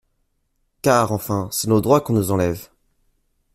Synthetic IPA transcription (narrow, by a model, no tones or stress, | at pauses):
kaʁɑ̃fɛ̃sɛnod̪ʁwakɔ̃nuzɑ̃lɛv